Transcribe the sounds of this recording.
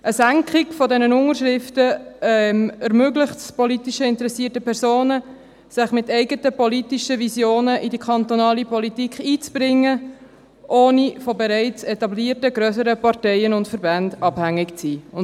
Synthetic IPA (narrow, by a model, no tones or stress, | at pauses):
ʔəsæŋkʰχɪkfɔdɛnənʊŋəɾʃɾɪftəmɛɾmøɡlɪχtspɔlitiʃəɪntəɾɛsiːtəpʰɛɾsoːnə | sɪχmɪtɛɪɡətəpɔlitiʃəvisjoːnəʔidikʰɑnt̪onɑːlipɔlitikχiːt͡sb̥ɾɪŋːə | ʔoːnifɔbɛɾɛɪt͡sɛtɑbliːɾtəɡɾøsəɾəpɑɾtɛɪənʊntfəɾbændɑb̥hæŋːɪkt͡siːʊn